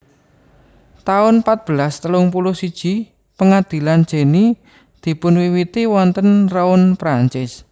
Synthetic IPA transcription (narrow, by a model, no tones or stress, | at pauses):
t̪aʊnpat̪̚b̥əlast̪əlʊŋp̬ulʊsid̥ʒ̥i̤ | pəŋad̪̥i̤land̥d͡ʒ̥e̤ni | d̪̥i̤pʊnwiwit̪iwɔnt̪ənraʊnpɾaɲt͡ʃɪs